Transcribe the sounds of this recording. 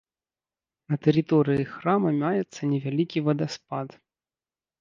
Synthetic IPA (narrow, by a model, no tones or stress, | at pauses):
nɐt̪ɛɾɨt̪ɔɾɨjixɾamɐmʲajɛt̪sːɐnʲɛvʲalʲikʲivɐd̪aspat̪